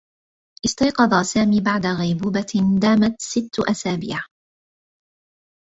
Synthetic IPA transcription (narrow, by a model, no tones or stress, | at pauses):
ʔɪst̪ɑjqɑd̪ˤɑːsaːmiːbaʕd̪aɣajbuːbad̪aːmat̪sɪt̪ːʔasaːbḭːʕ